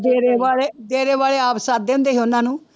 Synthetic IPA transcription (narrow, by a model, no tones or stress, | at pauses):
d̪eːɾeːʋaːleːd̪eːɾeːʋaːleːaːpsaːd̪eːʊnd̪eːɦeʊnãːnũː